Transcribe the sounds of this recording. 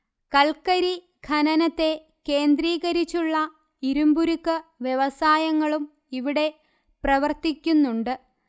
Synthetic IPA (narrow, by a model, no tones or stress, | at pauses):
kɐlkɐɾi | ɡʱɐnɐnɐt̪ːe̞ | ke̞ːnd̪riːɣɐɾit͡ɕːuɭːɐ | iɾumbuɾukːɨʋje̞ʋɐsaːjɐŋːɐɭum | iʋiɽe̞ | prɐʋɐrt̪ikʲːunːuɳɖɨ